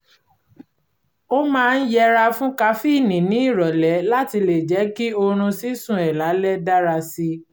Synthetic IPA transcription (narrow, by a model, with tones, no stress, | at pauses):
o˦mãː˦˧n̩˦jɛ˧ɾa˧fũ˦ka˧˦fi˦˨nĩ˨nĩ˨˦i˦˨ɾɔ˨lɛ˨˦la˦ti˧le˨d͡ʒɛ˨˦ki˦o˧ɾ̃ũ˧si˨˦sũ˦˨ɛ˨la˨˦lɛ˦da˦ɾa˧si˧